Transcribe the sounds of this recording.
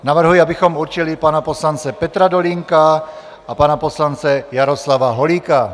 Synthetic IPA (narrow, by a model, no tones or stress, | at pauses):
navr̩ɦujiabɪxomuɾt͡ʃɪlɪpanaposlant͡sɛpɛt̪ɾadoliŋka | ʔapanaposlant͡sɛjaɾoslavaɦoliːka